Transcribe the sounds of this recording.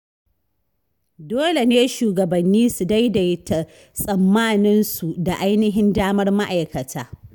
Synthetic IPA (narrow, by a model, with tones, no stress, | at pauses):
doː˦le˨neː˦ʃuː˨ɡɐ˨bɐ˨nːiː˦su˨da˦jda˨jta˨ | sʼɐ˨mːaː˦nɪ˦nsu˨da˨ʔa˦jnɪ˦ɦɪ˦ndaː˦mɐ˦rma˦ʔa˨jkɐ˨taː˦